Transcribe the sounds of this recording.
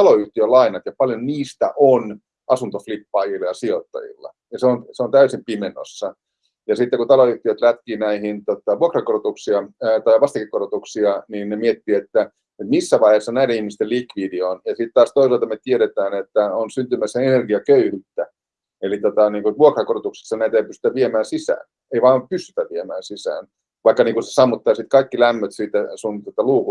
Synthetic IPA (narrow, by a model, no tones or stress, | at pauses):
t̪ɑloyht̪iølɑinɑt̪jɑpɑljonniːst̪æ̰ʔon | ʔɑsunt̪oflipːɑːjilːɑjɑsiot̪ːɑ̰jḭlːɑ̰ | jɑseonseont̪æysimpimenːo̰sːɑ | jɑsit̪ːekut̪ɑloyht̪iøt̪læt̪kiːnæihint̪ot̪ɑʋuokrɑkorot̪uksiɑt̪ɑiʋɑst̪eŋkːikorot̪uksiɑniːnnemiet̪ːiet̪ːæ | et̪misːæʋɑiheːˑsːɑnæiɾenihmist̪elikʋiːdionjɑsit̪t̪ɑːst̪oisɑlt̪ɑmet̪ieɾet̪æːnet̪ːæonsynt̪ymæsːeenerɡiɑkøyhyt̪ːæ | elit̪ot̪ɑniːŋkutʋuokrɑkorot̪uksi̥sːɑnæit̪eipyst̪y̥t̪æʋʋiemæːnsisæ̰ːn | eiʋɑːmpyst̪y̥t̪æʋʋiemæːnsisæ̰ːn | ʋɑikːɑniːŋkuse̥sɑmːut̪ːɑːsit̪kɑikːilæmːøt̪siːt̪ːæsunt̪ot̪ɑluːku